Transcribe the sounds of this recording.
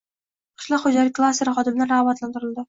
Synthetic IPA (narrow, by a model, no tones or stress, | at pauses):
qʰɨ̥ʃlˠɒqχod͡ʒalʲɪk̚ʲkʰːlˠast̪ːeɾɪχɒd̪ɪmnɪɾaɒbat̪lant̪ɪɾɪld̪ɪ